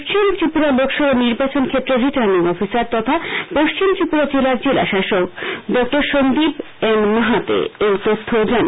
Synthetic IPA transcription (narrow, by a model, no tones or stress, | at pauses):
ʃt͡ɕimt͡ɕipuɾalokʃɔɾoniɾbat͡ɕonkʰet̪ːɾeɾiʈaɾniŋɔfisaɾt̪ɔt̪ʰapoʃt͡ɕimt͡ɕɾipuɾad͡ʑelaɾd͡ʑela̰ʃaʃokɖɔk̚ʈoɾʃond̪ib | enmaɦat̪ḛejt̪ot̪ʰːod͡ʑan